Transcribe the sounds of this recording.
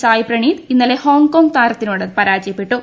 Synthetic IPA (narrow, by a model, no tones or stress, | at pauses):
saːjiprɐɳiːd̪inːɐleho̞ːŋko̞ːŋɡt̪aːɾɐt̪ːinuːɽepɐɾaːd͡ʑjɐpːeʈːu